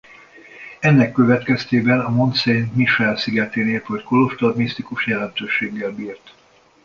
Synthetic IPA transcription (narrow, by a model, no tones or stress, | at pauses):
ɛnːɛkːø̞vɛt̪kɛst̪eːbɛnɒmo̞nt̪senmiʃɛlsiɡɛt̪eːneːp̪hocko̞lo̞ʃt̪ɒrmist̪ikuʃjɛlɛnt̪øːʃeːɡːɛlbiːrt̪